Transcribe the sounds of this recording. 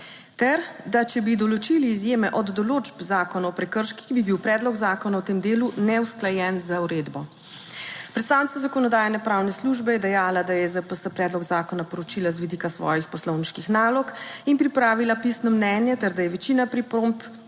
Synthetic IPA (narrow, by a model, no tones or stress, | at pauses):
t̪ɛɾd̪at͡ʃɛbid̪ɔlɔt͡ʃiliːzjeːmɛʔɔd̪ːɔloːd͡ʒpzaːkɔnaɔpɾɛkəɾʃki̥xbibiwpɾɛːd̪lɔɡzaːkɔnawt̪emd̪eːlunɛusklajɛnzauɾeːd̪bɔ | pɾɛt̪st̪aːwnit̪azakɔnɔd̪aːjanɛpɾaːwnɛsluʒbɛjɛd̪ɛjaːlad̪ajɛzəpəsəpɾɛːd̪lɔɡzaːkɔnapɔɾɔt͡ʃilazʋid̪iːkasʋɔ̰ːjixpɔslɔwniʃkixnaːlɔkinpɾipɾaːʋilapisnɔmnɛnjɛt̪ɛɾd̪ajɛʋɛt͡ʃiːnapɾipɾomp